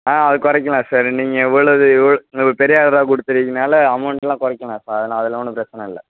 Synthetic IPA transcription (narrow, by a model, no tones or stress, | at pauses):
ãːɐðɯkɔɾɐkːɐlãːsaːɾniːŋɡɐɪʋːɐɭɐðɯɪʋːɐɭɐpɛɾɪjaːɽɐɾaːkʊɽɯt̪ːɯɾikːɯnaːlɐɐmɐɳʈɛlãːkɔɾɐkːɐlãːsaːɾɐðɐlãːɐðɪlɔnːɯpɪɾɐt͡ʃːɐnɐ̃ɪlːɐ̰